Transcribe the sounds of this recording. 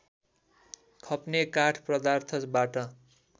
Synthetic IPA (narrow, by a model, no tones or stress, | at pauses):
kʰʌpnekaʈʰprʌd̪art̪ʰʌt͡sbaʈʌ